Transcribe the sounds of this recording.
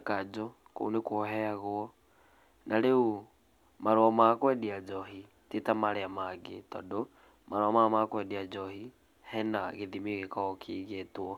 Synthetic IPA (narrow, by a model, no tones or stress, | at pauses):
kad͡ʒɔ | ko̰unekoɦɛaɣoɔ | nʔaɾeo | maɾwamakwɛdiad͡ʒɔɦi | tetamaɾeamaɡḛtɔ̰ndo | maɾwamamakwɛdiad͡ʒɔhi | hɛnaɣeðimiɣekɔɣɔkʰiɣetwɔ